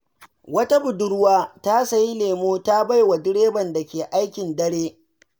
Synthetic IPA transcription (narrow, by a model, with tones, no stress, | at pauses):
wɐ˦ta˦bʊ˨dʊ˦ɽwaː˦ta˦sɐ˨ji˦leː˨moː˦ta˦ba˦jwa˨dɪ˦ɽeː˦bɐ˨nda˨kʲeː˨ʔa˦jkʲɪ˨ndɐ˦ɽeː˦